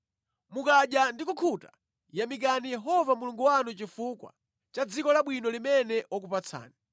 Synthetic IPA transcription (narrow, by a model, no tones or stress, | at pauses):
mukaʄjandikukʰuta | jamik̬anijɛɦɔvamuluŋɡuwanut͡ʃifukwa̰ | t͡ʃad͡zikɔlaɓwinɔlimɛnɛʔwɔk̬upat͡sʰa̰ːni